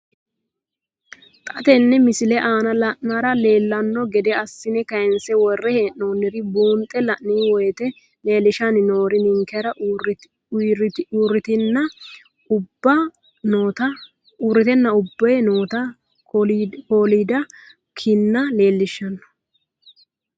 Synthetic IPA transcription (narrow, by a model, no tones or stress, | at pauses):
t̪ʼɐt̪ɛnːɛmɪsɪlɛʔaːnɐlɐʔnaːɾɐle̞ːlːɐnːɔɡɛd̪ɛɐsːɪnɛkɐjɛnsɛwɔrːɛheːʔnoːnːɪɾɪbuːnt̪ʼːɛlɐʔniːwɔjɛt̪ɛ | le̞ːlːɪʃɐnɪno̞ːɾɪnɪŋkʰːɛɾɐ | ɾuːrːɪt̪ɪnːɐ | ʊbːɐ | noːt̪ɐ | uːɾːɪt̪ɛnːɐʊbːɛjnoːt̪ɐ | ko̞ːliːd̪ɐ | kʰɪnːɐle̞ːlːɪʃːɐnːɔ̥